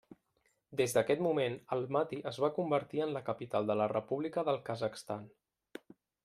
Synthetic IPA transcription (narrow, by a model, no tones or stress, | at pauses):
d̪ezd̪əkɛt̪mumenəlˠmat̪iʔəzβakumbəɾt̪iənləkəpit̪alˠd̪ələrəpuβlikəðəlˠkəzəkst̪an